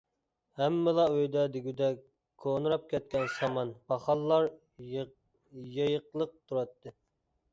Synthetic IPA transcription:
hɛmːɪlˠɑøjd̪ɛd̪ɪɡʲyd̪ɛ | kʰːonɨɾɑp̚kʲʰɛt̪̚kʲɛnsɑmɑnbɑχɑlˠːɑɾ | jɑjəqlˠəq̚t̪ʰuɾɑt̪ʰːɨ

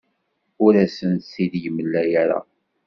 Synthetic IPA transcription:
ʊɾæsənt̪siðjəmːəlːæjaɾa̰

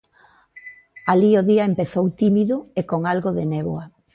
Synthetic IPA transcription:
alioðiaempeθowt̪imiðʊekoŋalɣoðeneβo̰a

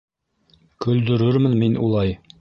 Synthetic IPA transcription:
kɵ̆ld̪ɵ̆ɾɵɾmɘnminʔṵlˠɑj

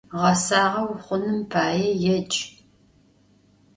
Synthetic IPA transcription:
ʁɐsaːʁɐwχʷʊnɨmpʰaːjɛjɛd͡ʒʼ

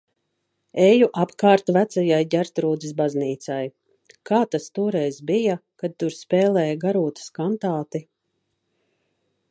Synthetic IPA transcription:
ɛjuʔapkaːɾt̪væt̪sajajɟʲæɾt̪ɾuːd̪zis̬bazniːt̪saj | kaːt̪ast̪uɔɾɛjzbijakad̪̚t̪uɾspɛːlɛːjɡaɾuːt̪ḁskant̪aːt̪i

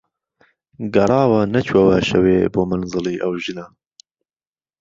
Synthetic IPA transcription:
ɡɐɾˤɑːwɐnɐt͡ʃʰwɐwaʃɐweːboːmanzɨlˠiːʔɐwʒɨnɐ

